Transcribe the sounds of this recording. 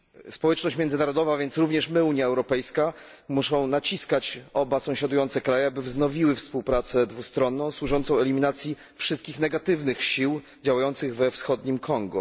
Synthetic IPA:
spɔwɛt͡ʂnɔɕt͡ɕmʲjɛnd̪ɘnaɾɔd̪ɔvavʲjɛnt̪sɾuvɲɛʂmɘuɲjaɛwɾɔpɛjska | muʂɔ̃w̃nat͡ɕiskat͡ɕɔbasɔ̃w̃ɕad̪ujɔnt̪sɛkɾajɛabɘvznɔvʲiwɘfspuwpɾat̪sɛd̪vust̪ɾɔnːɔ̃w̃swuʐɔnt̪sɔ̃w̃ɛlʲimʲinat̪sʲji | fʂɘst̪̚kʲixnɛɡat̪ɘvnɘxɕiw | d͡ʑawajɔnt̪sɘɣvɛfsxɔd̪ɲimkʰɔŋɡṵ

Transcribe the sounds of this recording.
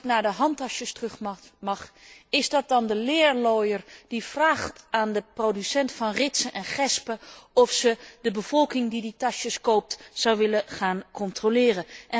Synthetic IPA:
knaːɹdəɦɑntɑʃəstrχmɑχɪzdɑt̚dɑndəlɪːɹlɔjərd̥iv̥raːχtaːndəprodysɛntfɑnrɪtsənʔɛnχɛspəɔfsədəbəv̥ɔlˠkɪŋdiditɑʃəskowp̚tzɑwʋɪləχaːnkɔntrolɪːrənʔɛ

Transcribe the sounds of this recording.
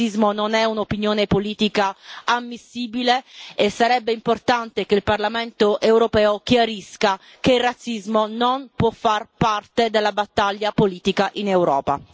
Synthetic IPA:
izmononɛunopinjoːnepoliːt̪ikaamːisːiːbileesːaɾɛbːeimport̪ant̪ekeilparlamɛnt̪oʔewɾopɛːokjaɾiska | keilrːat̪sizmononpwɔfːarpart̪ed̪elːabat̪ːaʎːapoliːt̪ikaʔinewɾɔːpa̰

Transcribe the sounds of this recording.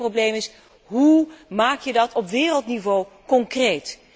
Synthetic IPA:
roblejmɪs | ɦumaːkjədɑtɔpʋɪːrəlˠtnivow | kɔŋkrejt

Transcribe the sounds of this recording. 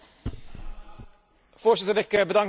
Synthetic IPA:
fɔʂɛt̪əd̪ɛkəbəd̪ɑŋ

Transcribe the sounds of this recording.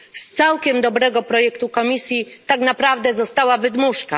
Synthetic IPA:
st̪sawkʲɛmd̪ɔbɾɛɡɔpɾɔjɛkt̪ukɔmʲisʲjit̪aknapɾavd̪ɛzɔst̪awavɘd̪muʂka̰

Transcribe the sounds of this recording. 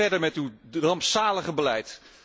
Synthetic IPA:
ɛɹdəɹmɛtyrɑmpsaːləχəbəlɛjt

